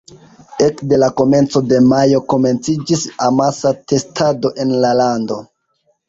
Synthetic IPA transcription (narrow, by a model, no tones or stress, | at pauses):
e̞kde̞lako̞me̞nt͡so̞de̞majo̞ko̞me̞nt͡sid͡ʒisamasate̞stʰado̞ʔe̞nlalando̞